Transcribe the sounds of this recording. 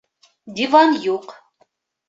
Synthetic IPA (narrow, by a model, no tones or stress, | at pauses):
d̪ʲivɑnjuq